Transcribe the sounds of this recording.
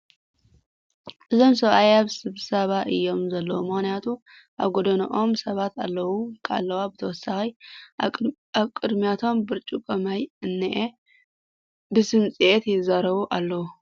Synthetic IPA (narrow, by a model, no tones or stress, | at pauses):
ʔɨzo̞msɐβajaβsɨβsɐβaʔɨjːo̞mzɐlːɐwumɨxnijat̪ʰu | ʔaβɡod̪ɐnɐ̰ʔo̞msɐβat̪a̰lːɐwukʰʔa̰lːɐwabɨt̪ʰɐwɔsːaxi | aβkʼɨd̪mijat̪ʰo̞mbɨɾt͡ʃʼukʼɐmajɨnːɨʔe | bɨsɨnt͡sʼiʔet̪jɪzaɾɐβuʔalːɐwu